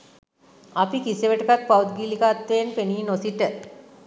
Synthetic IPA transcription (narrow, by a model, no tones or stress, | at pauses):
apikiseʋəʈəkak̪̚pawd̪̚ɡiːlikaːt̪ʋeenpeniːnosiʈə